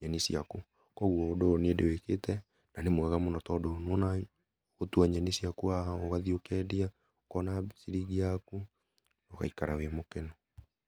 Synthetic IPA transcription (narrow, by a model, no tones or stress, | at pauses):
ɲɛnisjiaku | kɔɣwɔːdoːnedeweketɛ | nanemwɛɣamonɔtɔdonwɔna | ɣotuaɲɛnisiakuaoɣaðiokɛdia | kɔnasiɾiɣiaku | nɔɣa̰ikaɾawemokenɔ